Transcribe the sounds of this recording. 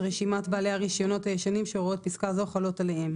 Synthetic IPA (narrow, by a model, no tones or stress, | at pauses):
ʁeʃimat̪baːle̞aʁiʃjo̞no̞thajeʃanimʃeʁoot̪̚piskazo̞χalo̞tale̞hem